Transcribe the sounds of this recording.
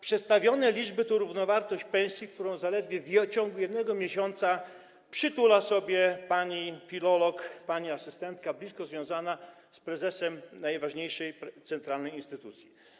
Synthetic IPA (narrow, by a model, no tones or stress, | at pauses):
pʂɛt̪st̪avʲjɔnɛlʲid͡ʐbɘt̪ɔɾuvnɔvaɾt̪ɔɕt͡ɕpɛ̃w̃sʲjik̚t̪uɾɔ̃w̃zalɛd̪vʲjɛvt͡ɕɔ̃ŋɡlujɛd̪nɛɡɔmʲjeɕɔnt̪sa | pʂɘt̪ulasɔbʲjɛpaɲifʲilɔlɔkpaɲiasɘst̪ɛnt̪kablʲiskɔzvʲjɔ̃w̃zana | spɾɛzɛsɛmnajvaʐɲejʂɛjt̪sɛnt̪ɾalnɛjinst̪ɘt̪ut̪sʲji